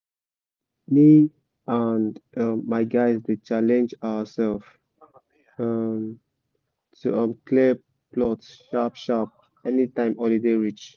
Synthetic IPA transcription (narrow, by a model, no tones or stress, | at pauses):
mi | anʌmːaɪɡaɪzdet͡ʃalɛ̃nd͡ʒaəsɛlf | ʌm | tʰuʌmkʰle | plɔtʃapʃap̚ | ɛnitãɪ̃mɔlideɹit͡ʃ